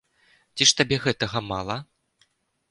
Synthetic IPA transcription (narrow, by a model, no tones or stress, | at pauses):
t͡sʲiʂt̪abʲɛɣɛt̪ɐɣɐmalˠɐ